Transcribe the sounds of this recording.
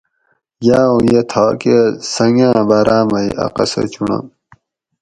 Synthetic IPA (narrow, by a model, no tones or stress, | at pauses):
jaːũjet̪ʰaːkesɐŋɡãːbaɾaːmɐjɐ̰qɐ̰sɐ̰t͡ɕunɐ̰m